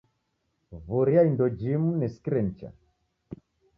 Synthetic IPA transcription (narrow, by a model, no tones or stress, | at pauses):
vuɾiaindɔd͡ʒimunɛskiɾɛn̩t͡ʃa̰